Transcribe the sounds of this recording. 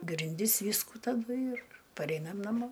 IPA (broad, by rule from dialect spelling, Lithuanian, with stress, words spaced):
ɡrʲɪnʲˈdʲɪs ˈʋʲiːskuː tɐˈdʊ ɪr pɐˈrʲɛɪnɐm nɐˈmoː